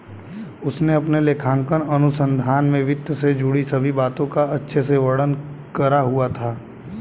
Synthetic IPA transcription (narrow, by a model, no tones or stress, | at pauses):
ʊsneɐpneleːkʰãːŋkənɐnʊsə̃nd̪ʱaːnmẽʋɪt̪jəsed͡ʒʊɽisɐbʱibaːt̪õkaɐtːʃʰeseʋəɽən | kɐɾaɦuat̪ʰaː